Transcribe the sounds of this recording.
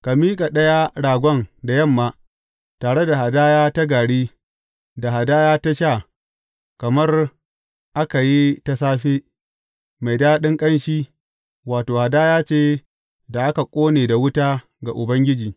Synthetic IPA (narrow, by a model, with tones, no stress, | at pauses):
ka˨miː˦kʼa˨ɗɐ˦ja˦ɽaː˨ɡʷɔ˦ŋda˨jɐ˦˨mːaː˦ | taː˨ɽe˦da˨ha˨daː˦jaː˦ta˦ɡaː˨ɽiː˦ | da˨ɦa˨daː˦jaː˦ta˦ʃa˦˨ | kɐ˨mɐ˦r | ʔa˦ka˨ji˦ta˦saː˦ɸeː˦ | ma˨jdaː˦ɗɪ˦ŋkʼɐ˦nʃiː˦ | waː˨toː˨ha˨daː˦jaː˦t͡ʃeː˦ | da˨ʔa˦ka˨kʷʼoː˦neː˨da˨wʊ˦taː˦ | ɡa˨ʔʊ˨bɐ˦ŋɡʲɪ˦d͡ʒiː˨